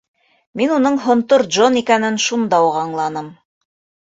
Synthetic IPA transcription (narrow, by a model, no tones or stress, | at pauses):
minunɤɴɦŏnt̪oɾdʒonikænɘnʃund̪ɑuʁɑɴlˠɑnɤm